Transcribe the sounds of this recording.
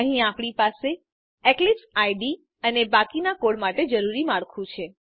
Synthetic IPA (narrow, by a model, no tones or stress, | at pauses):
əɦĩapɽipase | ɛklipsajɖi | ənebakinakoɽmaʈed͡ʒəɾuɾimaɽkʰũt͡ʃʰe